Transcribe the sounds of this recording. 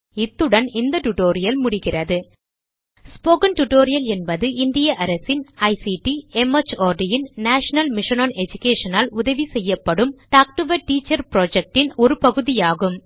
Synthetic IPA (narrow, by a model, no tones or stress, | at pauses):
ɪt̪ːɯɽɐnɪnd̪ɐʈʊʈoːɾɪjɐlmʊɽɪɣɪrɐðɯ | spoːkɐnʈʊʈoːɾɪjɐlɛnbɐðɯɪnd̪ɪjɐʔɐɾɐsɪnɐɪsiʈiɛmɐt͡ʃoːɾɖɪjɪnnaːʂɐnɐlmɪʂɐnoːnɛd͡ʒʊkeːʂɐnaːlʊðɐʋisɛjːɐpːɐɽɯmʈaːk̚ʈɯʋɐʈːiːt͡ʃːɐɾpɾoːd͡ʒɛk̚ʈɪnɔɾɯpɐɣɯðɪjaːɣɯm